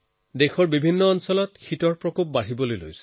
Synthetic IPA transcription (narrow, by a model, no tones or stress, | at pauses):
dexɔɹbibʱinːɔːnsɔlɔtxitɔɹpɹɔkop̚baɹibɔlojlo̰jsɛ̥